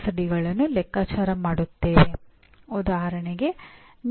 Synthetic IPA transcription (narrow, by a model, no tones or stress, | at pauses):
sɐɽiɡɐɭɐnːulɛkːaːt͡ʃaːɾɐmaːɽut̪ːee | ud̪aːɦɐɾɐɳeɡe̞n